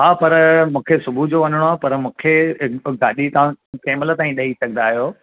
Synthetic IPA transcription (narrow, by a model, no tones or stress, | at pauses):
ɦaːpɐɾmũːkʰesʊbʱud͡ʑoːʋɐn̤əɽ̃oaːpɐɾmũːkʰeɡaːɗit̪ɐʋãkeːmɪlət̪aːĩɗɐisɐɡə̃nd̪aːɦijoː